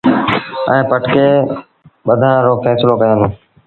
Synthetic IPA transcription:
ɛ̰̃ːpəʈkeː | ɓəd̪ʱãɾoːfɛːsloːkəjõːnoː

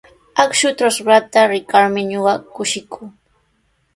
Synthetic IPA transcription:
akʃʊt̪ɾasɾat̪aɾɪkaɾmɪɲoɢɑkʊʃɪkʰuː

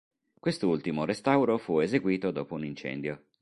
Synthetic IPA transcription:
kwest̪oult̪imorest̪awɾofuezeɡwiːt̪od̪oːpounint͡ʃɛ̰nd̪jo

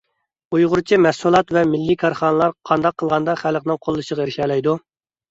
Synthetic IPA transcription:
ujʁʊɾt͡ʃʰimɛsulˠɑt̪vɛmɪlːikʰɑɾχɑːnəlˠɑɾqʰɑnd̪ɑqʰːəlˠʁɑnd̪ɑχæləqnɨŋqʰolˠːɨʃəʁɑeɾɪʃɛlɛjd̪u

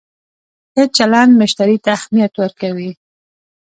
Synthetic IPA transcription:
het͡ʃalɑnd̪mɪʃt̪aɾit̪axmijat̪wəɾkawi

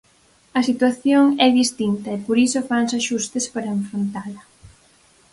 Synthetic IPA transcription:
ɐsit̪waθjoŋɛðist̪int̪ɐepoɾisofansaʃust̪espaɾɐeɱfɾont̪alɐ

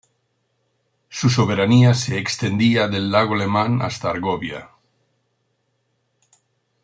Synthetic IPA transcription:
susoβ̞e̞ɾaniaseːkst̪end̪iaðelːaɣ̞oalemãna̰st̪aːɾɣoβja̰

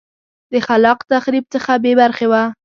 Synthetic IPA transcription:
d̪̥əxalɑqt̪axɾib̚t͡səxabebaɾxewa

